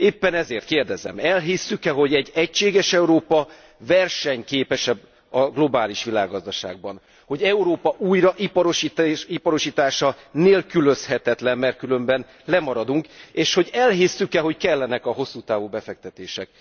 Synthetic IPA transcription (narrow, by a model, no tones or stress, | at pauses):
eːpːɛnɛzeːrt̪̚keːrd̪ɛzɛ̰mɛlɦisːykɛɦo̞ɟɛɟːɛcʃeːɡɛʃɛuɾoːpɒ | vɛrʃɛɲkeːpɛʃɛb | ɒɡlo̞baːliʃʋila̰ːɡːɒzd̪ɒʃa̰ːɡ̚bɒn | ho̞ɟɛuɾoːpɒʔuːjrɒʔipɒɾoʃit̪ipɒɾoʃiːt̪aːʃɒneːlkylø̞shɛt̪ɛt̪lɛmːɛrt̪̚kylø̞mbɛn | lɛmɒɾɒd̪uŋkeːʃho̞ɟɛlɦisːykɛɦo̞ckɛlːɛnɛkɒɦo̞sːuːt̪aːvuːbɛfɛk̚t̪ɛt̪eːʃɛ̰k̚